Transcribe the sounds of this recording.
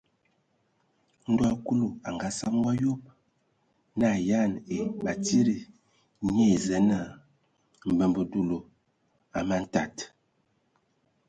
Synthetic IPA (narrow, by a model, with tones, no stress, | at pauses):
n̩˦da˦˨ku˦lu˨a˨ŋɡa˨˦sa˦m˦wa˦jo˦p̚ | na˦˨ja˦˨ne˨ba˨ti˦ɾi˨ | ɲe˦˨zɛ˨˦na˦˨ | m˨bə˨mbə˨du˨lo˨ | a˨ma˦n̩˦ta˨t